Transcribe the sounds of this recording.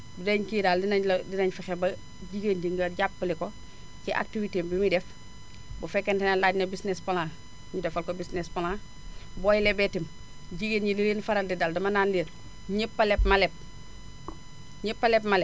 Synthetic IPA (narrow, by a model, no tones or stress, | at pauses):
dudeɲkiːɾaldinaldinɐɲfaxebɐ | ɟiɡendiŋɡɐɟapːəliko | ciʔa̰k̚tiviteːmbimidɛf | bufɛkːentenalaːɟnɐbisnespolaː | midɛfalkobisnespola | boːjilebetim | ɟiɡenjiliɾeːnfaɾaldidaːldɐmanandiːɾ | ɲepːɐlepmalep̚ | ɲepːalepmale